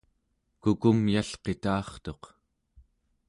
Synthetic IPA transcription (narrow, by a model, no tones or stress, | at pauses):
kukumjaɬqe̞t̪ɑːχt̪o̞q